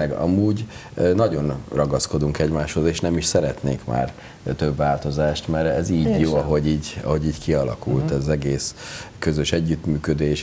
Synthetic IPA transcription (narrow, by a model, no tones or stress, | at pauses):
ɛɡɒ̰muːɟnɒɟo̞nrɒɡɒsko̞d̪uŋkɛɟmaːʃho̞zeːʃnɛmiʃsɛɾɛt̪neːkma̰ːr | t̪øbːaːlt̪o̞zaːʃt̪mɛɾɛziːɟjoːɒɦo̞ɟiːɟɒ̰ɦo̞ɟiːɟkiɒlɒ̰kult̪ɛzɒzɛɡeːskø̞zøʃɛɟːyt̪myːkød̪eːʃ